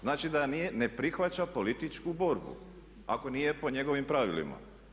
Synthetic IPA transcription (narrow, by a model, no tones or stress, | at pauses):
znaːt͡ʃid̪aniene̞pɾixʋat͡ɕapo̞lit̪it͡ʃkubo̞ɾbṵ | ako̞nije̞po̞ɲe̞ɡo̞ʋimpɾaʋilḭma̰